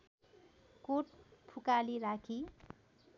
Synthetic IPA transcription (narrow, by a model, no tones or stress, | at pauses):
koʈ̚pʰukaliɾakʰi